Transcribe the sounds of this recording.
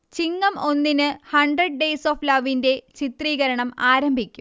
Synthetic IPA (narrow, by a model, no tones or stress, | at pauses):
t͡ɕiŋːɐmo̞nːinɨhɐɳɖrɐɖ̚ɖejsoːflɐʋinde̞t͡ɕit̪riːɣɐɾɐɳɐmaːɾɐmbʱikʲːum